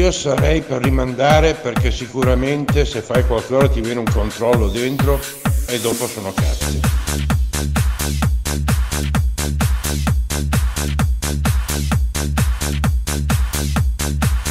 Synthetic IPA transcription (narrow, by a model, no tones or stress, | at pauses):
iosaɾɛjperːimand̪aːɾeperkesikuɾament̪esefːajkwalkeoːɾat̪ivjɛːneuŋkont̪ɾɔlːod̪ent̪ɾo | ed̪ːoːposoːnokasi